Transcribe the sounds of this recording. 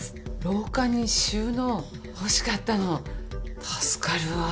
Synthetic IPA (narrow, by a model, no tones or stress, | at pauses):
ɾo̞ːkaɲ̟iɕɨːno̞ | hoɕi̥kat̪ːano̞t̪ʰasɨ̥kaɾɯ̟a